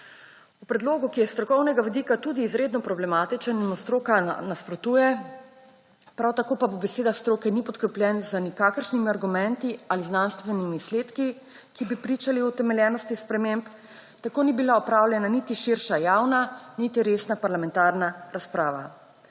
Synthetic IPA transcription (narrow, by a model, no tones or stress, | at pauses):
upɾɛd̪loːɡukijɛst̪ɾɔkɔwnɛɡaʋid̪ikat̪ud̪iːzɾeːd̪nɔpɾɔblɛmaːt̪it͡ʃənimɔst̪ɾoːkanaspɾɔt̪ujɛ | pɾawt̪akoːpapɔbɛseːd̪axst̪ɾoːkɛnipɔt̪kɾɛplʲjɛnzanikakəɾʃnimiaɾɡumɛnt̪ializnanst̪ʋɛnimisleːt̪ki | kibipɾit͡ʃaliut̪ɛmɛljɛːnɔst̪ixspɾɛmemp | t̪akoːnibilaɔpɾaːwlʲjɛnanit̪iʃiɾʃajawnanit̪iɾeːsnapaɾlamɛ̃nt̪aːɾnaɾaspɾaːʋa̰